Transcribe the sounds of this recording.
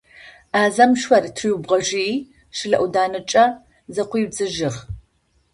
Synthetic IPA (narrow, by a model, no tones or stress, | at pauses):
aːzɐmʃʷɐrtʰɨjubʁɐʒi | ʃɪɮɐ̰ʔudaːnɨt͡ʃʼɐ | zɐqʷiːbd͡zɨʒɪʁ